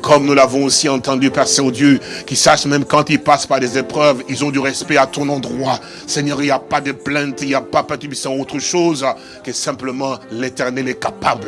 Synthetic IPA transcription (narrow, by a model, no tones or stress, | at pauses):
kʰɔmnulavɔ̃osiɑ̃t̪ɑ̃d̪ypaʁsɔ̃d̪jøkʲisaʃmɛ̃mkɑ̃t̪ilpaspaʁd̪ezepχœvilzɔ̃d̪yʁɛspɛat̪ɔ̃nɑ̃d̪ʁwa | sɛɲœʁiljapad̪əplɛ̃t̪iljapapat̪ybisɑ̃ot̪χəʃoz | kɛsɛ̃pləmɑ̃let̪ɛʁnɛlɛkapabl